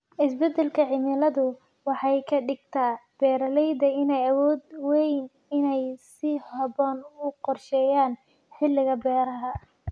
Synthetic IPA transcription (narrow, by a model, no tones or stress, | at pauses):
ʔɪsbɛd̪ɛlkʰɐʕɪmɪlɐðʊ | wɑħɑjkʰɐɖɪɡt̪ʰaːb̥ɛːɾɐlɛjd̪ɐɪnɛjɐwɔːd̪wɛjn | ɪnɛjsɪhɐbɔːnʊqɔrʃɛːjaːn | ħɪlːɪɣɐbɛːɾɐɦɐ